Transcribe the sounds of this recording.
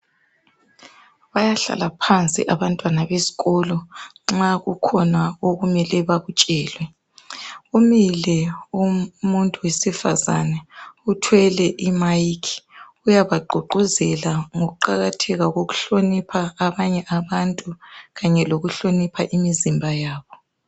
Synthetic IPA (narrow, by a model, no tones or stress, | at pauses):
βajaɬa̰lapʰant͡sʼḭʔaβantʼwanaβezi̥ɣɔlɔŋ͡ǁaɣukʰɔnaoɣumɛlɛβaɣut͡ʃʼɛːlwɛ | umilɛumuntʼuwesifa̰za̰nɛutʰwɛlɛʔimajikʰi̥ | ujaβaɡ͡ǃʱuǃuzɛlaŋoɣuǃaɣatʰɛɣaɣoɣuɬonipʰaːβaɲɛʔaβantʼuɣaɲɛloɣuɬonipʰaʔimizimbʱajaːβɔ